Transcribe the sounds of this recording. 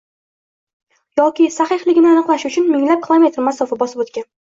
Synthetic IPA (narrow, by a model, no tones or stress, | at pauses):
jɒkʲɪsaχɨhlɪɡʲɪnɪanɨqlˠaʃʊt͡ʃʰʊnmɪŋlap̚kʲʰɪlˠome̞t̪ɾmasɒfɪbɒsɪbot̪̚kʲan